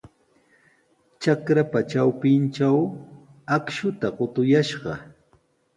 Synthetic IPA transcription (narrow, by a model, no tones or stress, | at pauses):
t͡ʃakɾapat͡ʃawpɪnt͡ʃaw | akʃʊt̪aɢot̪ʊjaʃɢɑ̰